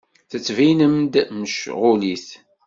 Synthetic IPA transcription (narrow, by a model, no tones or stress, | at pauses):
θət͡sːvinəmd̪məʃʁʊliθ